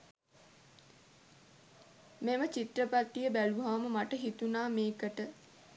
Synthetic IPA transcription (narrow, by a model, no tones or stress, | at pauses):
memət͡ʃit̪ɾəpat̪ːijəbæluɦaːməmaʈəɦit̪unaːmeːkəʈə